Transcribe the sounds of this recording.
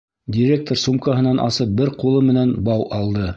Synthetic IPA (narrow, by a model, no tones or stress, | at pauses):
dʲɪɾʲek̚t̪oɾsumkɑɦɤ̆nɑnʔɑ̰sɤp̚bɘɾqulˠɤmɘ̆nænbɑwʔɑlˠd̪ɤ